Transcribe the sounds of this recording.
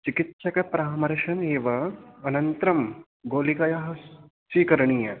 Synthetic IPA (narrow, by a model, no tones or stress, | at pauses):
t͡ʃikit̪ʃɐkɐpɾaːmɐɾʃɐneːʋɐɐnɐnt̪ɾɐm | ɡoːlikɐjɐɦɐ | siːkɐɾɐɳijɐ